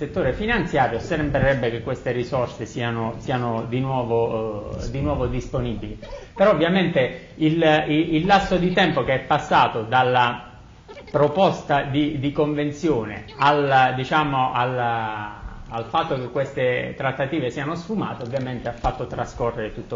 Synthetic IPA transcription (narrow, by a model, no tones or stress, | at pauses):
set̪ːoːɾefinant̪sjaːɾjosembɾeɾɛbːekekːwest̪erisɔrsesiːanosiːanod̪inwɔːvod̪inwɔːvod̪isponibilipeɾɔovːjament̪e | ililːasːod̪it̪ɛmpokeɛpːasːaːt̪od̪alːa | pɾopɔst̪ad̪id̪ikoɱvent̪sjoːnḛald̪it͡ʃaːmoal | alfat̪ːok̟ekːwest̪et̪ɾat̪ːat̪iːvesiːanosfuma̰ːt̪eovːjament̪eafːat̪ːot̪ɾaskorːeɾet̪ut̪ːo